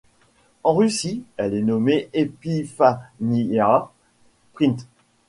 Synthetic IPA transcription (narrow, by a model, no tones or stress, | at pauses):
ɑ̃ʁysiɛlɛnɔmeʔepifania | pχĩnt̪